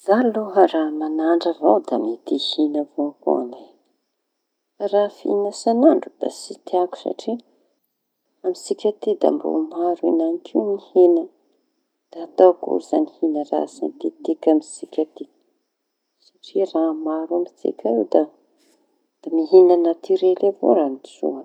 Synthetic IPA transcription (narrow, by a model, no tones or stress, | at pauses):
z̥aloɦəramanaɳɖ͡ʐəvawd̪amit̪ihinəvoako̰a̰ne | rafinasanaɳɖ͡ʐud̪̥a̰sit̪iaku̥sa̰ʈ͡ʂi | amisikʲat̪id̪a̰mbo̰maɾinanikʰiwnihenə | d̪̥aat̪awkṵlz̥anihinəra̰sa̰nt̪it̪ikʲamisikʲat̪i | saʈ͡ʂiramaɾambit͡sḭkʲʰaewd̪a | d̪̥amiɦinanat̪iɾelevo̰ɾamit͡sṵə